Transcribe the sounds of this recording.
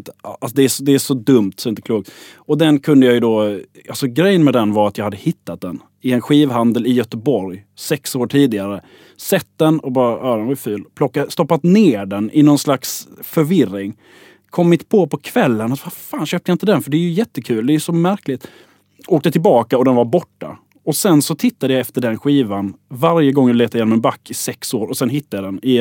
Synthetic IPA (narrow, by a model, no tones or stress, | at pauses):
asd̪ɛæʂɔd̪ɛæʂɔd̪ɵmt̪sɔmɪnt̪əkluːɡ̚t̪ɔd̪ɛnkʰɵnd̪əjajɵd̪ɔalsɔɡɾɛjːənmɛd̪ɛnvaɾat̪jɑhad̪ːəhɪt̪ːat̪̚d̪ɛn | ɪɛnɧiːvɦand̪əlɪjœt̪əbɔɾjsɛksoːʈʰiːd̪ɪɡaɾə | sɛt̪̚d̪ɛnɔbɑːɾaʔɑːd̪ɛnvajfʉːlpʰlɔkːast̪ɔpːat̪neːɖɛnʔɪnɔnslaksfœɾvɪrɪŋ | kʰɔmːɪt̪pʰɔpʰɔkʰvɛlːənat̪vafaːnɕøːp̚t̪əjaɪnt̪əd̪ɛnfœɖɛæɾjɵjɛt̪ːəkʰʉ̟ːld̪ɛjɵsɔmæɾklɪt̪ | oːk̚t̪ət̪ʰɪlbɑːkaɔd̪ɛnvaɾbɔʈːa̰ | ɔsɛnsɔt̪ʰɪt̪ːad̪əjaɛft̪əɖɛnɧiːvanvaɾjəɡɔŋːjleːt̪aɪjeːnɔmɛnbakːɪsɛksoːɾɔsɛnɦɪt̪ːajad̪ɛnɪ